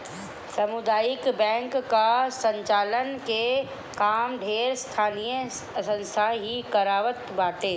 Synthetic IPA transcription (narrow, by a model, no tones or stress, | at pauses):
sɐmʊd̪aːjɪkbɛ̃ːŋkːasə̃ɲt͡ʃaːlənke | kaːmɖʱeːɾst̪ʰaːnijə | sə̃nst̪ʰaɦikɐɾaːʋət̪baːt̪eː